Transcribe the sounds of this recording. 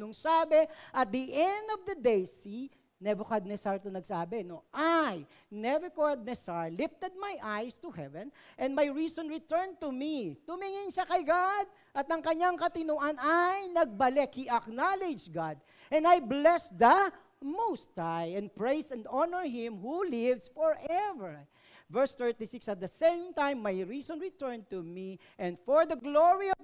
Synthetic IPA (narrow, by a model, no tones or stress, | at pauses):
nʊŋsaːbɛʔɐt̪̚d̪iʔɛnd̪ɔvd̪ɐd̪ejsi | nɛbʊkad̪̚nɛsaɹt̪onɐɡsaːbɛnoʔaj | nɛɹɛkoɹd̪̚nɛsaɹlɪft̪ɛd̪̚majʔajst̪uhɛvɛ̃nʔɛ̃ndmajɹiːsɔ̃nɹɪt̪ɛɹnt̪umit̪ʊmiŋɪnʃakɐjɡad̪̚ | ʔɐt̪ɐŋkɐɲaŋkɐt̪ɪnuʔɐnajnɐɡ̚bɐlɛkhiʔɐknalɛd͡ʒɡad̪̚ | ʔɛ̃nd̪ajblɛsd̪ɐ | mowst̪ajɛ̃n̚pɹejsɛ̃nd̪ɔnəɹɦɪ̃mhulɪvsfɔɹʔɛvɛɹ | vɛɹst̪ɛɹt̪isɪksɐt̪̚d̪ɐsẽɪmt̪ãjmːajɹisɔ̃nɹɪt̪ɛɹnt̪umi | ʔɛ̃nd̪fɔɹd̪ɐɡloɹi